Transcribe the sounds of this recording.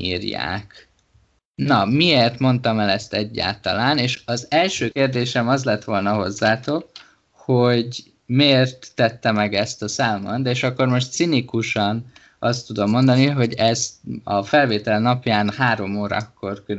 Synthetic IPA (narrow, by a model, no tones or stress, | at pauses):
iːrja̰ːk | nɒmieːrt̪mo̞nt̪ɒmɛlɛst̪ɛɟːa̰ːlt̪ɒ̰laːneːʃɒzɛlʃøːkeːrd̪eːʃɛmɒzlɛt̪ʋo̞lnɒɦo̞zːaːt̪o̞k | ho̞ɟ | meːrt̪ːɛt̪ːɛmɛɡɛst̪ɒsaːmɒnd̪ɛeːʃɒkːo̞rmo̞ʃt̪sinikuʃɒn | ɒst̪ːud̪o̞mːo̞nd̪ɒniɦoɟɛzt̪ɒfɛlveːt̪ɛlnɒpjaːnhaːɾo̞moːɾɒ̰kːo̞rkø